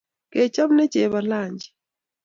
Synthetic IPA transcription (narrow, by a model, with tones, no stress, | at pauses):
kɛ˨t͡ʃa˦bnɛ˦t͡ʃɛ˨βa˨la˦˨ɲd͡ʒi˨